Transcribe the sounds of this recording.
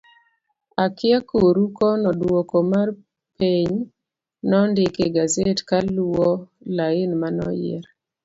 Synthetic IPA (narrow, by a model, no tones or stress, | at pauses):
akɪakoɾukɔnɔdwokɔmar | peɲ | nɔndɪkeɡazetkaluɔ | laɪnmanɔ̰jɪ̰ɾ